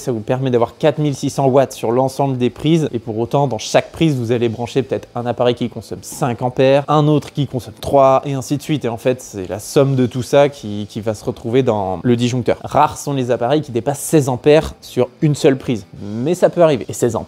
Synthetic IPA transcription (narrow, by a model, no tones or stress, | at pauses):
savupɛʁmɛd̪avwaʁkʲat̪milsisɑ̃wat̪syʁlɑ̃sɑ̃bləd̪epχizepuʁot̪ɑ̃d̪ɑ̃ʃak̚pχizvuzalebʁɑ̃ʃepət̪ɛt̪χɛ̃napaʁɛjkʲikɔ̃sɔmsɛ̃kɑ̃pɛːʁɛ̃not̪χkʲikɔ̃sɔmt̪χwaeɛ̃sid̪əsɥit̪eɑ̃fɛt̪sɛ̰la̰sɔmd̪ət̪usakʲʰikʲivasəʁət̪χuved̪ɑ̰̃ləd̪iʒɔ̃k̚t̪œ̰ːʁʁaʁsɔ̃lezapaʁɛjkʲid̪epasːɛzɑ̃pɛʁsyʁynsœlpχizmɛsapøaʁivḛesɛzɑ̰̃